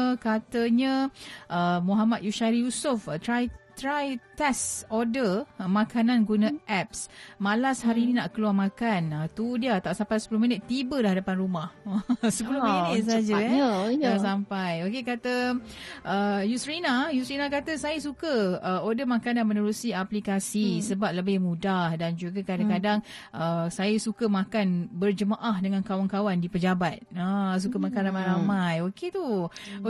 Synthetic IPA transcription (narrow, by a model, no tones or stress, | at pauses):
kat̪əɲə̃ʔəmuɦamat̪̚juʃaɾijusʊfət̪ɾajt̪ɾajt̪ɛsodəmãkananɡunə̃ʔɛp̚smalashaɾininaʔkəluarmakanət̪udiat̪aʔsampajsə̥pulohminət̪ːibədahadapanɾumahsəpulomiət̪̚s̬ad͡ʒaas̬ampajokekat̪ə | ʔəjusɾinajusɾinakat̪əsajəsukəəodəhmãkananmənəɾusiaplikasisəbap̚ləbɪhmũdahdand͡ʒuɡakadaŋkadaŋ | ʔəsajəsukəmãkanbərd͡ʒəmaʔahdəŋãnkawankawandipəd͡ʒabat̪̚as̬ukəmakanramajɾamajoket̪u